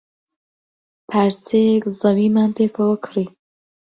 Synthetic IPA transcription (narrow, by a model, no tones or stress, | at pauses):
pʰaɾt͡sʰekzɐwiːmaːnpʰekʰəwəkʰɾiː